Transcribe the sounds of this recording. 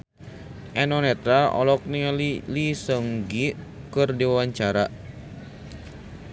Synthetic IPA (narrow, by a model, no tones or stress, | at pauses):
ʔɛnɔnɛt̪ɾaɔ̰lɔk̚nillisəŋɡikɨrdiwawaɲt͡ʃaɾa